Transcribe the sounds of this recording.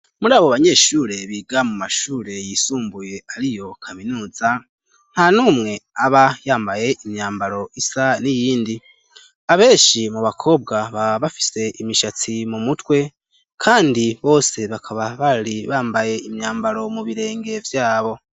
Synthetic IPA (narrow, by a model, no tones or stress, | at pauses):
muɾaːβoβaɲe̞ʃuːɾe̞βiːɡamumaʃuːɾe̞jiːsuːmbuje̞aɾijo̞kʰaminuːza | n̥hanuːmŋe̞aβajaːmbaje̞ʔimɲaːmbaɾo̞ʔisanijiːndi | aβe̞ːʃimuβakʰo̞ːb̚ɡaβaβafi̥se̞ʔimiʃat͡simumutwe̞ | kʰaːndiβo̞ːse̞βakʰaβaβaɾiβaːmbaje̞imɲaːmbaɾo̞muβiɾe̞ːŋɡe̞vjaːβo̞